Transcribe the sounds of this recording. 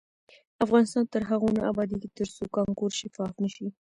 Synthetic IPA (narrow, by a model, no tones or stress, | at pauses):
afɣɑnɪst̪ɑnt̪əɾɦaɣonaabɑd̪iket̪əɾsokɑŋkoɾʃɪfɑfnəʃi